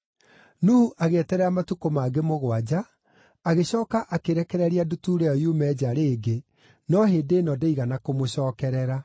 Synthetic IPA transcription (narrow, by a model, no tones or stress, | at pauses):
nuhuʔaɣɛtɛɾɛamatukomaːɡemoɣwad͡ʑa | aɣeɕɔːkaʔakeɾɛkɛɾɛɾiadutuɾɛɔjumɛd͡ʑaɾeːɡe | nɔɦeːdenɔdeiɣanakomoɕɔːkɛɾɛɾa